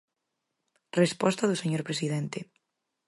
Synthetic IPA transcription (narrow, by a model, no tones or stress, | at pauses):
respɔst̪aðʊseɲoɾpɾesiðent̪e